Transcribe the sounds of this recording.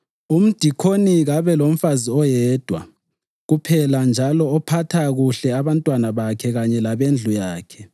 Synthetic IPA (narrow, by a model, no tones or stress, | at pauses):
um̩d̥ʱikʰoniɣaβɛlom̩faziɔjɛːd̥ʱwa̰ | ɣupʰɛland͡ʒʱalɔːpʰatʰaɣuɬɛaβantʼwanaβakʰɛɣaɲɛlaβend͡ɮʱujaːkʰɛ